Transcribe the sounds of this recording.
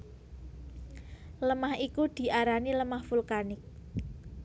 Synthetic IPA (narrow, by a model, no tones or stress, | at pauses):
ləmahikud̪̥i̤ʔaɾaniləmahfulkanɪk̚